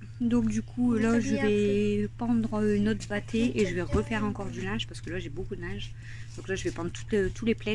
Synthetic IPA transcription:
d̪ɔ̃kd̪ykʰulaʒəvɛpɑ̃d̪ʁøynɔt̪bat̪ʰeeʒəvɛʁəfɛʁɑ̃kɔʁd̪ylãʒpaʁsə̥kəlaʒebokud̪ənãʒ | d̪ɔ̃klaʒəvɛpɑ̃d̪ʁt̪u̥t̪t̪uleplɛ

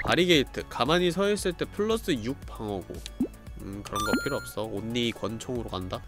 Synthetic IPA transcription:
paɾiɡe̞itʰɯkamaɲisʰʌis͈ɯɭt͈e̞pʰɯɭːʌs͈ɯjuk̚p͈ʰaŋʌɡo̰ | ɯkɯɾʌnɡʌpʰiɾoʌp̚s͈ʌonːiikwʌnt͡ɕʰoŋɯɾokanda

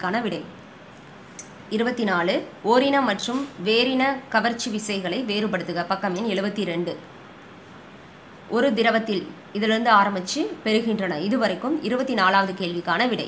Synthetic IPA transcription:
kːaːnɐʋɪɽɐɪ | ɪɾɯbɐt̪ːinaːɭɯoːɾɪnɐmɐʈrɯmʋeːɾɪnɐkɐʋɐɾt͡ʃːɯʋɪsɐɪɣɐɭɐɪʋeːɾɯpɐɽɯt̪ːɯɣɐpɐkːɐmɪnɛɭɯbɐt̪ːiɾɛɳɖɯ | ʔɔɾɯd̪ɪɾɐʋɐt̪ːɪl | ɪðɪlɪɾɯnd̪ɯaːɾɐmɪt͡ʃːɯpɛɾɯɣɪndrɐnɐɪðɯʋɐɾɐɪkːɯmɪɾɯbɐt̪ːinaːɭaːʋɐðɯkeːɭʋɪkːaːnɐʋɪɽɐ̰ɪ

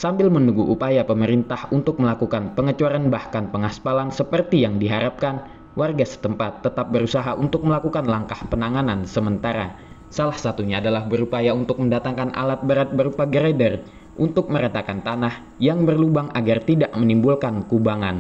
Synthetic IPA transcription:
sambɪlmənuɡuʔupajapəməɾint̪ahunt̪ʊk̚məlakukanpəŋət͡ʃaɾanbahkanpəŋaspalaŋsəpərt̪ijaŋdiɦaɾap̚kan | warɡasə̥t̪əmpat̪ːət̪ap̚bəɾusaɦaʔunt̪ʊk̚məlakukanlaŋkahpənaŋanansəmənt̪aɾa | salahsat̪uɲaːdalahbəɾupajaunt̪ʊk̚məndat̪aŋkanʔa̰lat̪̚bəɾat̪̚bəɾupaɡəɾedər | ʔunt̪ʊk̚məɾat̪akant̪anah | jaŋbərlubaŋaɡart̪idaʔmənimbulkankubaŋan

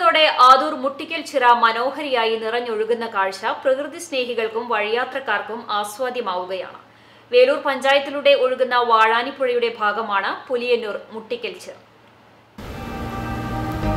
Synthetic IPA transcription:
t̪ːoːɽe̞ʔaːd̪uːrmuʈːikʲːɐlt͡ɕirɐmɐno̞ːɦɐɾijaːjinirɐɲːo̞ɻuɣunːɐkaːɻɕɐprɐkrɨðisne̞ːɦiɣɐɭkumʋɐɻijaːt̪rɐkːaːrkumaːsʋaːd̪jɐmaːʋuɣɐja̰ːɳɨ̰ | ʋe̞ːluːrpɐɲd͡ʑaːjɐt̪ːiluɽe̞o̞ɻuɣunːɐʋaːɻaːnipːuɻɐjuɽe̞bʱaːɡɐmaːɳɨpulijɐnːuːrmuʈːikʲːɐlt͡ɕir

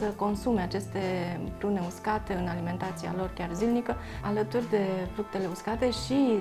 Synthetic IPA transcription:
səko̞nsume̞at͡ʃe̞st̪e̞p̪ɾuneuskat̪e̞ɨnalime̞nt̪at̪sia̰lo̞rkʲarzilnikə | alət̪urʲd̪e̞fɾuk̚t̪e̞le̞uskat̪e̞ʃi

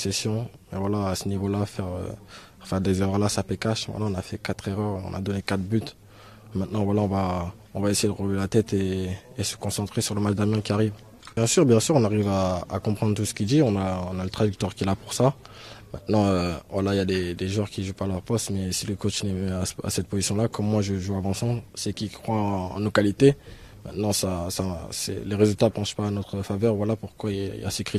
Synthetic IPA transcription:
sesjɔ̃ | mɛvwalaːsənivolafɛʁø̰ | fɛʁd̪ezeʁœʁlasapekaʃmɛ̰t̪nɑ̃ɔ̃nafɛkat̪χeʁœʁɔ̰̃na̰d̪ɔnekat̪χbyt̪ | mɛ̃t̪nɑ̃vwalaɔ̃va | ɔ̃vaesejed̪əʁəlvelat̪ɛt̪eːsə̥kɔ̃sɑ̃t̪χesyʁləmaʒd̪amjɑ̃kʲiaʁiv | bjɛ̃syʁbjɛ̃syʁɔ̃naʁivaa̰kɔ̃pχɑ̃d̪ʁt̪usə̥kʲid̪iɔ̃naɔ̃nalət̪χaʒyk̚t̪waʁkʲiɛlapuʁsamɛ̃t̪nɑ̃øvwalailjad̪ed̪eʒwɛʁkʲiʒupaːlœʁpɔst̪mɛsiləkot͡ʃnɛmɛasa̰sɛt̪̚pozisjɔ̃lakɔmːwaʒəʒuavɑ̃sɑ̃bsɛkʲikχwaa̰nokalit̪e | mɛ̃t̪nɑ̃sasasɛ̰leʁezylt̪apɑ̃ʃpaːnɔt̪χəfavœʁvwalapuʁkwaiḭlja̰səkχi

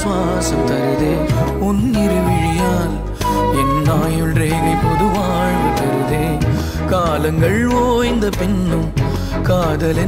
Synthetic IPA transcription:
ʋaː | sɐmt̪ɐɾɯðeː | ʊnːɪɾɯʋɪɻɪjaːl | ɛnːaːjɯlreːlɐɪpɔðɯʋaːɻɯt̪ɐɾɯðeː | kaːlɐŋɡɐɭʋoːɪnd̪ɐpɪnːɯm | kaːðɐlɪ

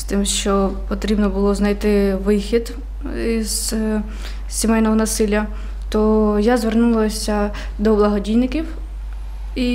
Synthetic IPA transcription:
st̪ɪmʃt͡ʃɔpɔt̪ɾʲibnɔbʊlˠɔznɐjt̪ɪʋɪxʲid̪ | iz̥ | sʲimɛjnɔɦɔnɐsɪlʲjɐ | t̪ɔjazʋernulˠɐsʲɐ | d̪ɔblˠɐɦɔdʲijnɪkʲiw | i

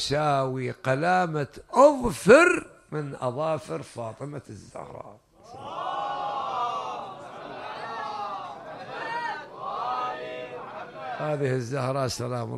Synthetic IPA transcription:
ʃaːwiqɑlaːmaʔʊðfɪɾmɪnʔɑ̰ðˤɑːfɪɾfɑːt̪ˤɨmazːʊ̰hɾˤɑ̰ː | a | haːðɪhɪzːʊhɾˤɑsalaːm̰

